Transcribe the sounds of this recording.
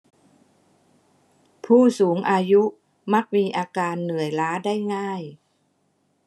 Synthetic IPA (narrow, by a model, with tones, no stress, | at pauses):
pʰuː˥˩suː˩˦ŋʔaː˧ju˦˥ | ma˦˥k̚miː˧ʔaː˧kaː˧nːɯ˨˩əjlaː˦˥daː˥˩jŋaː˥˩j